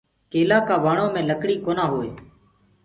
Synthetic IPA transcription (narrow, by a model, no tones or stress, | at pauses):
keːlaːkaːʋaːɳõːmẽːləkɽiːkoːnaːɦoːeː